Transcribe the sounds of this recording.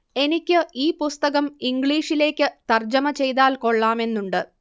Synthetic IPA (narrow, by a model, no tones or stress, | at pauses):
e̞nikʲːɨʔiːpust̪ɐɣɐmiŋɡɭiːʂile̞ːkʲːɨt̪ɐrd͡ʑɐmɐt͡ɕe̞jt̪aːlko̞ɭːaːme̞nːuɳɖɨ